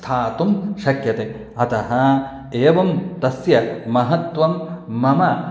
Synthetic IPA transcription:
t̪ʰaːt̪umʃɐkjɐt̪e | ɐt̪ɐɦɐ | eːʋɐmt̪ɐsjɐmɐɦɐt̪ʋɐmːɐmɐ

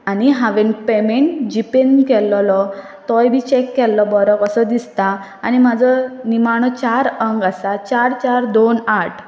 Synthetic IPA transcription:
aniɦaʋenpemeɳʈd͡ʑipend̪kɛlːɔlɔ | t̪ɔjbʱit͡ɕekːɛlːɔbɔɾɔkəsəd̪ist̪aː | ñimad͡zʱənimaɳ̃ɔt͡ɕaɾəŋɡasat͡ɕaɾt͡ɕaɾd̪onaʈʰ

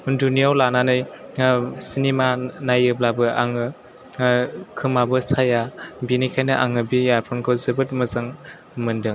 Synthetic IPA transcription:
undunijawlananɯj | sinimanajɯblabɯʔaŋɯ | kʰɯmabɯsajabinijkʰajnɯʔaŋɯbijaɾpʰɔnkʰɯwzɯbɯt̚mɯzaŋ | mɯndɯŋ

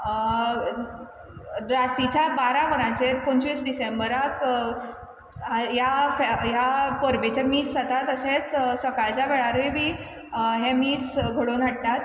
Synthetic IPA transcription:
ɾat̪it͡ɕjabaɾaʋəɾãt͡ɕepəɲt͡ɕʋiːsɖisembəɾak | jafjapəɾʋbet͡ɕamiːsd͡zat̪at̪əɕet͡ssəkajt͡ɕaʋeɭaɾebiː | ɦẽmiːsɡʱəɽonaɽt̪at̪

